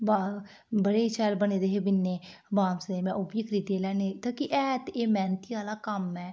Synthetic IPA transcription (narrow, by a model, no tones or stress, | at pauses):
ba | bəɽeːt͡ʃaːlbəneːd̪eːɦeːbɪnːeːbaːmsneːmɛ̃ʔʊbiːkɾiːt̪eːlɛːneːt̪aːkiʔɛːt̪eːmɛːnt̪iːaːlaːkəmɛː